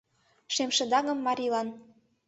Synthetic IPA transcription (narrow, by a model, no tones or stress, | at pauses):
ʃemʃə̆d̪ɑɣɤ̆mːɑɾʲilɑn